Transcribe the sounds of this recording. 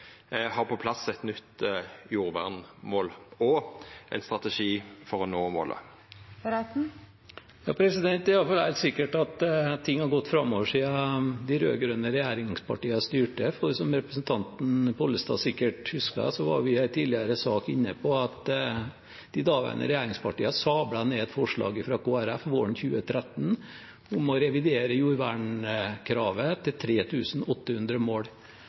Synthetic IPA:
hɑʁpʰɔpʰlɑsɛt̪nʏt̪ːjuːʁʋæ̰ʁnmoːlɔʔɛ̰nst̪ʁɑt̪əʂiːfɔʁɔnoːmo̰ːlə̰ | ɾɛt̪̩ | jɑ̰ːpʰɾɛsɪd̪ɛnt̪ɛɑfɑlhæ̰ɪlt̪sɪkːəʈɑt̪t̪ʰːɪŋːhɑɾɡɔt̪ːfɾɑmːoʋəʂiːɑd̪ɪɾø̰ːɡɾœnəɾɛjæːɾɪŋŋspʰɑ̰ʈiːɑst̪yːʈəfɔɾsɔmɾɛpɾəsnt̪ʰɑnt̪n̩pɔlːəst̪ɑ̰ːsɪkːəʈhʉskɑ̰sɔʋɑ̰ɾʋɪæɪt̪ʰiːlɪəɾəsɑːkɪnːəpʰɔɑt̪ | d̪̥ɪd̪ɑːʋæ̰nʔə̰ɾɛjæːɾɪŋspɑʈiːɑsɑːblɑneːd̪fɔʂɭɑ̰ːɡəfɾɑkʰoːæɾæfʋoːəɳçʉːət̪ʰɾɛt̪n̩ | ʊmɔɾɛʋɪd̪eːɾəjuːɾʋæɳkʰɾɑːʋət̪ʰɪlt̪ʰɾeːt̪ʰʉːsnɔt̪ːəhʉnd̪ɾəmoːɽ

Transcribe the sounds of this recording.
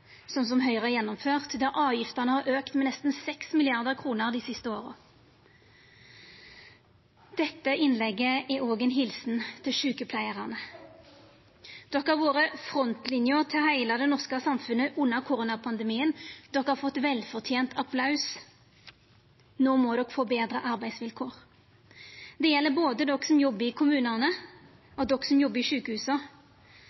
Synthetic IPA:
sɔms̬ɔmɦœʏʁəæjɛnːɔmføːʁt̪d̪ɑɾʔɑːʋjɪft̪ənəhɑɾʔøːkt̪mɛnɛst̪n̩sɛksmɪlɪɑʁd̪əʁkʰʁuːnəʁd̪iːsɪst̪əoːʁə̰ | d̪̥ɛt̪ːəʔɪnlɛɡːəʔɛoːɡɛnɦɪlsnt̪ʰɪlʃʉːkəpʰlæɪəʁɑnə | d̪̥ɔkɑʁʋoːʁəfɾɔnt̪lɪnjʊʁt̪ʰɪlhæɪlɑd̪ɛnɔʁskəsɑmfʉnːəʔʉnːəʁkʰʊɾʊːnɑpʰɑnd̪əmiːənd̪̥ɔkhɑʁfɔt̪ːʋɛlfɔʁt̪ʰjeːnt̪ʰɑpʰlɑʉs | noːmɔːd̪ɔkfoːbeːd̪ɾəʔɑʁbæɪsʋɪlkʰoːʁ | d̪ɛjɛlːəɾboːd̪əd̪ɔkːsɔmjɔbːəɪkʰʊmʉːnənə | ɔd̪ɔkːsɔmjɔbːəɪʂʉːkəhʉːsə

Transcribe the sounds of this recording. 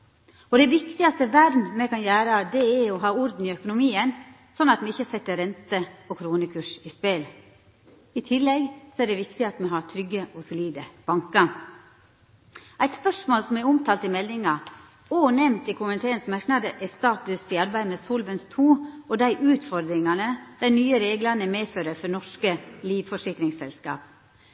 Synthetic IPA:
ɔd̪ɛʋɪkt̪ɪɑst̪əʋæɾnmɛkɑnjæːɾəɑt̪̚d̪ɛɛɔɦɑːɔɾd̪n̩ɪœkʊnʊmiːən | sɔnːɑt̪mɛɪçːəsɛt̪ːəɾɛnt̪əɔkʰɾuːnəkʰʉːʂɪspɛl | ɪt̪ʰɪlːɛɡsɔæɖɛʋɪkt̪ɪɑt̪mɛɦɑt̪ʰɾʏɡːəʔɔsʊliːd̪əb̥ɑŋkɑ | ʔæɪt̪spœʂmoːlsɔmɛɾʊmt̪ʰɑːlt̪ɪmɛlnɪŋɑ | oːnɛmt̪ɪkʰʊmənt̪ʰeːənsmɑɾknɑd̪əʔɛst̪ɑːt̪ʉsɪɑɾbæɪmɛsɔlʋənst̪ʰuːɔd̪æɪʔʉːt̪fɔɾd̪ɾɪŋɑnəd̪̥æɪnyːəɾeːɡlɑnəmeːføːɾəɾfɔnɔʂkəliːʋfɔʂɪkɾɪŋsɛlskɑ̰ːp̚

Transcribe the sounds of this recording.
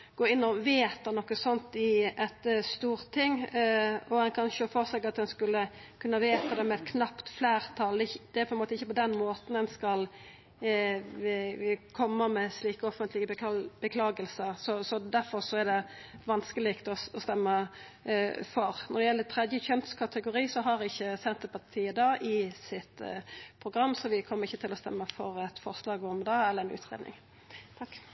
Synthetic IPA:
ɡ̥oːɪnːɔʋeːt̪ɑnɔkːəsɔnt̪ɪʔɛt̪st̪uːʁt̪ʰɪŋː | ɔɛnkʰɑnçəɔfɔɾsɛɡɑt̪̚d̪ɛnskʉlːəkʰʉnːɑʋeːt̪ɑd̪ɛmɛɛt̪kʰnɑpt̪fleːɾt̪ʰɑld̪d̪ɛæɾpʰɔɛnmoːt̪əɪçːəpɔd̪ɛnmoːt̪n̩d̪ɛnskɑl | kʰɔmːəmɛsliːkəɔfənt̪lɪɡəbb̥əkʰlɑːɡəlsəɾsɔsɔd̪æɾfɔɾsɔæɾd̪ɛʋɑnskəlɪkt̪ɔɔst̪ɛmːə | fɔɾnɔd̪ɛjɛlːət̪ʰɾɛd̪jəçœnt̪skʰɑt̪əɡʊɾiːsɔɦɑɾɪçːəsɛnt̪əɾpʰɑt̪ʰiːəd̪ɑːʔɪsɪt̪pʰɾʊɡɾɑmːsɔʋɪkʰɔmːəɾɪçːət̪ʰɪlɔst̪ɛ̰mːəfɔɾɛt̪fɔɾslɑːɡɔmd̪ɑːɛləɾɛnʉ̰ːt̪ʁḛd̪nɪ̰ŋ | t̪ʰɑkː

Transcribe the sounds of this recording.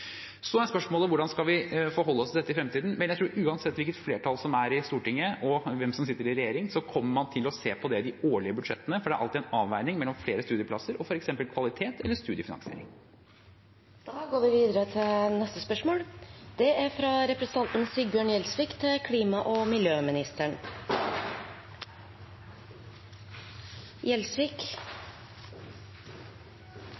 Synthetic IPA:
sɔæɾspœʂmoːləʋʊɖɑnskɑlʋɪfɔːɾɦɔlːəɔst̪ʰɪd̪ɛt̪ːɪfɾɛmt̪ʰiːd̪n̩mɛnjæɪt̪ʰɾuːɾʉːɑnsɛt̪ːʋɪlkət̪fleːʈʰɑlsɔmæɾɪst̪uːʈɪŋːəɔʋɛmsɔmsɪt̪ːəɾɪɾɛjeːɾɪŋsɔkʰɔmːəɾmɑnt̪ʰɪlɔseːpʰɔd̪ɛd̪ɪoːɭɪəbʉd̪ʂɛt̪ːənəfɔɖɛæɾɑ̰lt̪ɪdæɛnɑːʋʋæɪnɪŋmɛlːɔmfleːɾəst̪ʉːd̪ɪəpʰlɑsəɾɔfɔɾɛksɛmpəlkʰʋɑlɪt̪ʰeːt̪ʰɛlːəʂt̪ʉːd̪ɪəfɪnɑ̰nsɪḛːɾɪ̰ŋ | d̪̥ɑːɡoːɾʋɪʋiːd̪əɾət̪ʰɪlnɛst̪əspœʂmoːɽd̪̥ɛæɾfɾɑɾɛpɾɛsən̩t̪ɑnt̪n̩sɪbjøːɳjɛlsʋɪkt̪ʰɪkʰliːmɑʔɔmɪljøːmɪnɪst̪əɳ | jɛlsʋɪk

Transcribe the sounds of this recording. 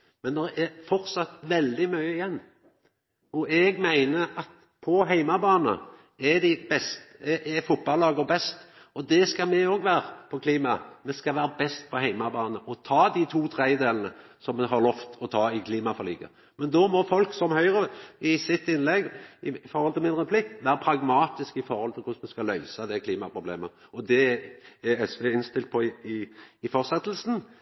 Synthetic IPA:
mɛnd̪ɛʔɛfɔɾt̪sɑt̪ʋɛld̪ɪmœʏəɪjɛnː | ɔʔɛɡmæɪnəɑt̪ | pʰɔɦæɪmɑbɑːnə̰ | ɛd̪ɪbɛst̪ɛʔɛfʊt̪̚bɑlːɑːɡəbɛst̪ | ɔd̪ɛskɑmɛoːɡʋæːɾəpʰɔkʰliːmɑmɛskɑʋæːɾəbɛst̪̚pʰɔɦæɪmɑbɑːnəʔɔt̪ʰɑːd̪ɪt̪ʰuːt̪ʰɾɛəd̪eːlənəsɔmːɛɦɑɾlɔft̪ɔt̪ʰɑːɪkʰliːmɑfɔɾliːɡə̰ | mɛnd̪ɔmɔfɔlksɔmhœʏɾəɪsɪt̪ːɪnlɛɡɪfɔɾhɔlt̪ʰɪlmɪnʁɛpʰlɪkːʋæːɾəpʰɾɑɡmɑːt̪ɪskɪfɔɾhɔlt̪ʰɪlkʰʊsmɛskɑlœʏsɑd̪ɛkʰliːmɑpʰɾʊblḛːmə | ɔd̪ɛæɛsʋɛɪnst̪ɪlt̪̚pʰɔɪɪfɔʁsɛt̪ːlsn̩

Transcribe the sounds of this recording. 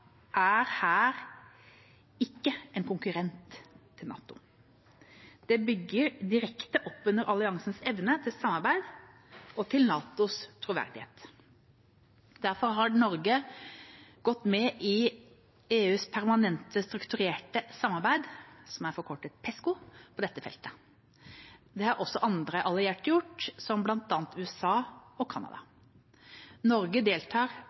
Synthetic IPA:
ʔæːɾhæːɾ | ɪkːəɛnkʊŋkʉɾɛnt̪ʰː | ɪlnɑ̰ːt̪ʊ̰ | d̪̥ɛbʏɡːəɾd̪ɪɾɛkt̪əʔɔpːʉnəɾʔɑlɪɑŋsn̩sɛʋnət̪ʰɪlsɑmːɑɾbæɪd̪ | ʔɔt̪ʰɪlnɑːt̪ʊst̪ʰɾʊʋæ̰ɾd̪ɪhḛːt̪ | d̪æɾfɔɾɦɑɖnɔɾɡə | ɡ̥ɔt̪ːmɛʔɪ | eːʉːspʰæɾmɑnɛnt̪əst̪ɾʉkt̪ʉɾeːʈəsɑmːɑɾbæɪd̪sɔmæɾfɔɾkʰɔʈːət̪̚pʰɛskʊpʰɔd̪ɛt̪ːəfɛ̰lt̪ə̥ | d̪ɛhɑɾɔsːɔʔɑnd̪ɾəʔɑlɪeːʈjʊʈːsɔmblɑnt̪ɑːnt̪ʉːɛsɑːɔkʰɑnɑ̰d̪ɑ̰ | nɔɾɡəd̪eːlt̪ʰɑːɾ

